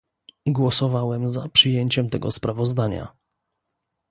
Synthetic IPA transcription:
ɡwɔsɔvawɛmzapʂɘjeɲt͡ɕɛmt̪ɛ̰ɡɔ̰spɾavɔzd̪aɲa̰

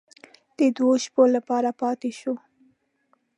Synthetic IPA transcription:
d̪̥əd̪woʃpolapɑɾapɑt̪eʃo

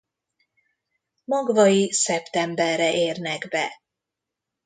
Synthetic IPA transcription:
mɒɡvɒisɛpt̪ɛmbɛrːɛʔeːrnɛɡbɛ

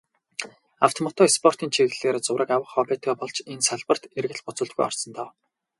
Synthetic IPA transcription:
a̰w̥t̪ʰɔmɔt̪ʰɔespʰɔr̥t̪iːnt͡ɕʰiɘ̆ɮeːɾt͡sʊwɾə̆kawə̆χɔpeːt̪ɡɔːpɔɮt͡ɕensaɮpə̆r̥t̪erɣɘ̆ɮpɔt͡sʊ̆ɮt̪̚ɡujɔ̰rsɞ̆nt̪ɔː

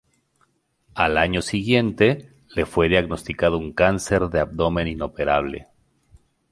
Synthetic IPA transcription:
alaɲo̞siɣje̞nt̪e̞ | le̞fwe̞ðjaɣno̞st̪ikað̞ouŋkanse̞ɾðeabd̪o̞mẽ̞nino̞pe̞ɾaβ̞le̞̰

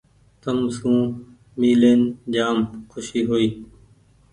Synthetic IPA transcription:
t̪əmsũː | miːleːnd͡ʒaːmkʰʊʃiːɦoːiː

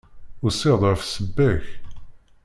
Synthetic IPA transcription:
ʊɾseðˤʁfsəbːæç

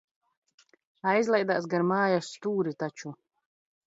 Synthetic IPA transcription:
ajzlˠɛjd̪aːs̬ɡaɾmaːjasːt̪uːɾit̪at͡ʃu

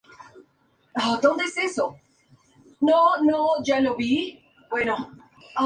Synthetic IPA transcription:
ad̪õnd̪eeseso | nonod͡ʒaloβi | bweno | a

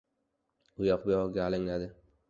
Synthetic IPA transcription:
ʊjɒqbejɒɡʲaːlɪŋlad̪ɪ

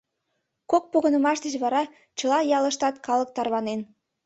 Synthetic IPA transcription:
kok̚poɣə̆nə̆mɑʃd̪ə̆t͡ɕβɑɾɑ | t͡ɕɤ̆lɑjɑlˠɤ̆ʃt̪ɑt̪kɑlˠə̆k̚t̪ɑrβɑnen

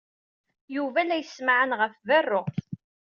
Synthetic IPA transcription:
juvælæjəsmaʕənʁəfvərːoʁθ

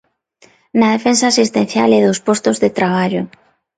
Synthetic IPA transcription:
naðefensaːsist̪en̟θjalɛðospost̪ozðet̪ɾaβaʎo

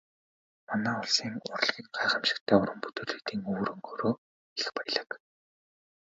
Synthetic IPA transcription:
manæːʊɮsiːŋʊ̰r̆ɮɣʲiːkɢaːχə̆mʃɪ̥̆kt̪ʰæːʊɾə̆mput̪ɵ̆ːɮɘ̆ːt̪iːŋɵːɾɘ̆ŋxɵɾoː | eixpæjɮə̆k

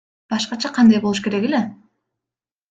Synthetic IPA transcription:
b̥ɑʃqɑt͡ʃʰɑqʰɑnd̪ɑjbolˠuʃke̞ɾe̞ke̞le̞

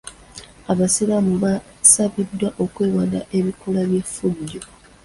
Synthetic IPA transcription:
aβasilamuβa | saβidːwaʔo̞kweːwadaʔe̞βikolaβje̞fːudːo

